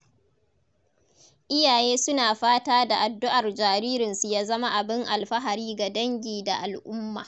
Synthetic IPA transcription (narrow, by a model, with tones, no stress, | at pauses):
ʔɪ˦jaː˨jeː˦sʊ˦naː˨ɸaː˦taː˦da˨ʔa˨dːʊ˦ʔa˨rd͡ʒaː˨ɾiː˦ɾɪ˨nsu˨jaː˦zɐ˦ma˦ʔa˨bɪ˦ŋʔa˨lɸɐ˦ɦa˨ɾiː˦ɡa˨dɐ˦ŋɡʲiː˨da˨ʔa˨lʔʊ˦mːa̰ː˨